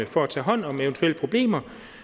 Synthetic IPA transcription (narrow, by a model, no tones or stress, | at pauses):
əfɒ̽æt͡sʰɛ̰ːɦɒ̽n̰ɒ̽meʊənt͡sʰuelə̥pʰʁo̝b̥le̝̰ːmɐ